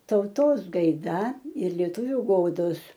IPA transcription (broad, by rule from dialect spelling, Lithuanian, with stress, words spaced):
tɐʊˈtoːs ɡɐɪˈdɐ ɪr lʲiɛˈtʊʋʲʊ ˈɡoːdoːs